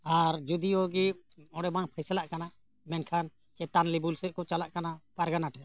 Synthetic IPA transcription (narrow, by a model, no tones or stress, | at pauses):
aɾd͡ʒud̪iɔɡi | ɔ̃ɽɛbaŋpʰajsalaʔkana | mɛnkʰan | t͡ʃɛt̪anlibulsɛʔkɔt͡ʃalaʔkanapaɾɡanaʈʰɛ